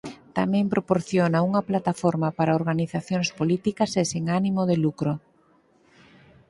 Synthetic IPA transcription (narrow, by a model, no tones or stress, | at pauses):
t̪amɛ̃mpɾopoɾθjonauŋɐplat̪afoɾmapaɾaoɾɣaniθaθjoŋspolit̪ikɐsesiŋanimoðelukɾo